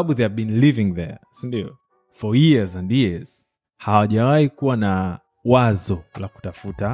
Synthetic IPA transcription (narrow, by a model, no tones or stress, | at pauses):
aɓuðeavbĩnlivĩŋðɛ̰sindiɔ̰ | fɔjiəzãndjiz̥ | hawaʄawaikuwana | wazɔlaku̥tafuta